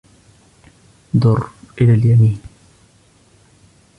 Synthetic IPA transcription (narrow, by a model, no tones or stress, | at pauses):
d̪ʊrʔɪlaljamiːn